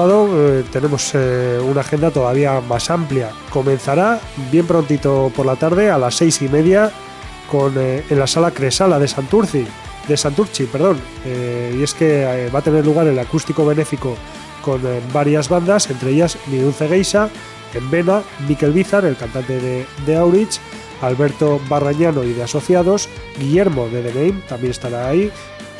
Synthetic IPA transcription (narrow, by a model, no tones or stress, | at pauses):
aðot̪e̞ne̞mo̞sunaxe̞nd̪at̪o̞ðaβ̞iamasamplja | ko̞mẽ̞n̟θaɾabje̞mpɾo̞nt̪it̪o̞po̞ɾlat̪aɾð̞e̞alasːe̞jsime̞ðja | konenlasalakɾe̞salaðe̞sant̪uɾθi | d̪e̞sant̪uɾt͡ʃipe̞ɾð̞o̞n | ie̞ske̞βat̪e̞ne̞ɾluɣ̞aɾe̞lakust̪iko̞β̞e̞ne̞fiko̞ | ko̞nbaɾiazβand̪ase̞nt̪ɾe̞eʎazmiɾunθe̞ɣ̞ejsa | embe̞namike̞lβiθaɾe̞lkant̪ant̪e̞ðeðe̞awɾit͡ʃ | alβe̞ɾt̪o̞βaraɲano̞ið̞e̞aso̞θjaðo̞zɡiʎe̞ɾmo̞ð̞e̞ð̞e̞nejmt̪ambjene̞st̪aɾai